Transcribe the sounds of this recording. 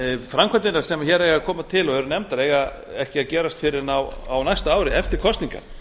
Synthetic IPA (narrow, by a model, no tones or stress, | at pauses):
fɾamkʰant̪ɪnaɾ̥sɛmçɛːɾeːjɣakʰɔːmat̪ʰɪlɔhœɾʏnɛmt̪ːaɾeːjɣa | ɛhcɪaðcɛːɾast̪fɪɾɪɾnawa̰wnajst̪aaːwɾɪɛft̪ɪɾ̥kʰɔst̪niŋka̰